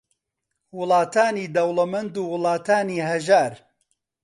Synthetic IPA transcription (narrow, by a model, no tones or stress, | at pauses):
wʊlɑːt̪aːniːd̪ɐwlɐmɐnd̪uːwʊlɑːt̪ʰaːniːɦɐʒaːɾ